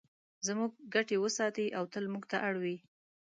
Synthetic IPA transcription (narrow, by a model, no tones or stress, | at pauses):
zmuɡ̚ːaʈewəsɑt̪iʔawt̪əlmuɡt̪aʔaɽwi